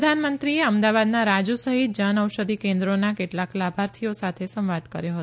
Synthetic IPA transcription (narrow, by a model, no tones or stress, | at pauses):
d̪ʱanmənt̪ɾieəmd̪aʋad̪naɾad͡ʒusəɦit̪̚d͡ʒənəwʃəd̪ʱikẽnd̪ɾonakeʈlaklabʱaɾt̪ʰijosat̪ʰesə̃mʋad̪kə̰ɾjoɦət̪